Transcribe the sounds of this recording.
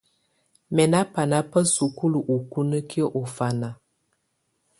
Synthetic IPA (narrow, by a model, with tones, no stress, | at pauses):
mɛ˨na˦pa˨na˨pə˦su˨ku˦lu˨ʔu˨ku˦nə˦ki˦ə˦ʔɔ˨fa˨na˨